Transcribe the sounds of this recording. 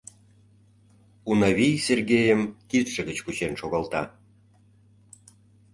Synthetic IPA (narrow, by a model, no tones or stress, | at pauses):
unɑβʲijserɣejəmkit̪ʃə̆ɣət͡ɕkut͡ɕenʃoɣɑlt̪ɑ̰